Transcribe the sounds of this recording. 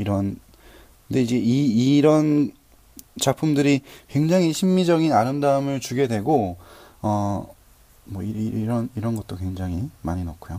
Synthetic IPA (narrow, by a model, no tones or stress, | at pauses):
iɾʌn | kʰɯnde̞id͡ʑe̞iːɾʌn | t͡ɕapʰumdɯɾikwe̞ŋd͡ʑaŋɦiɕʰimːid͡ʑʌɡinaɾɯmdaɯmɯɭt͡ɕuɡe̞dwe̞ɡo | ʌ | mwʌiɾʌniɾʌnɡʌt͈okwe̞ŋd͡ʑaŋɦimaɲinokʰujo